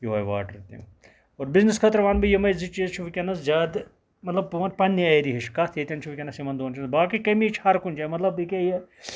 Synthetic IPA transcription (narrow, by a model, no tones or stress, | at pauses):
jiʋɐjʋa̰ːʈɾɐt̪ḭn | oːɾbiznɐskʰɐt̪ɾʋaːnbijɐmɐjzit͡ʃizt͡ʃʰuʋikʲɐnɐszʲaːd̪ | mɐt̪lɐb̚ːuʋɐnpɐnːiaiɾiɦiʃkɐt̪ʰjet̪ʲɐnt͡ʃʰuʋikʲɐnɐsimɐnd̪oːnt͡ʃʰinbaːkikɐmit͡ʃʰhɐɾkund͡ʒamɐt̪lɐbikʲeje